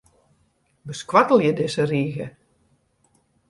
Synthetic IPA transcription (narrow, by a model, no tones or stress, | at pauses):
bəskwatəl̩ˠjədɪsəriːɣə̰